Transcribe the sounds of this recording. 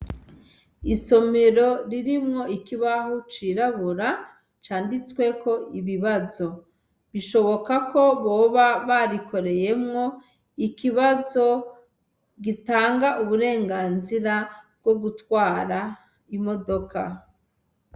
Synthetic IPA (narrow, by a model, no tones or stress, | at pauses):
iso̞me̞ɾo̞ɾiɾimŋo̞ikiβaɦut͡ʃiːɾaβuɾa | t͡ʃaːndit͡swe̞kʰo̞iβiβazo̞ | βiʃo̞βo̞kako̞βoːβaβaɾiko̞ɾe̞je̞mŋo̞ | ikiβazo̞ | ɡitaːŋɡaʔuβuɾe̞ːŋɡaːnziɾab̚ɡo̞ɡutwaːɾa | imo̞do̞ka